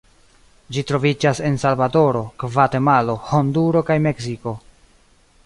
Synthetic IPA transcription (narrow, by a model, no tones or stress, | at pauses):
d͡ʒitɾo̞vid͡ʒase̞nsalvado̞ɾo̞kvate̞malo̞ho̞nduɾo̞kajme̞ksiko̞